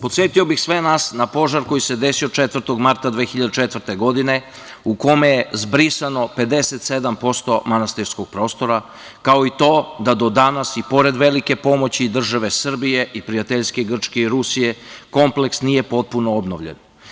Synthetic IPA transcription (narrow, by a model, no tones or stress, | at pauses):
po̞t̪sʲjet̪iobixsʋenasnapo̞ʒaɾko̞jised̪e̞siot͡ʃet̪ʋr̩t̪oɡmaɾt̪ad̪ʋeːxiʎad̪et͡ʃet̪ʋr̩t̪e̞ɡo̞d̪ine̞ | uko̞me̞jezbɾisano̞pe̞d̪e̞set̪se̞d̪ampo̞st̪o̞manast̪iɾskoɡ̥̚pɾo̞ːst̪o̞ɾa | kao̞it̪o̞ːd̪ad̪o̞d̪anasipo̞ɾed̪ʋe̞like̞po̞mot͡ɕid̪r̩ʒaʋe̞sr̩bije̞ʔipɾijat̪eʎske̞ɡr̩t͡ʃkeiɾusije̞ko̞mple̞ksnije̞po̞t̪̚punoobno̰ʋʎḛn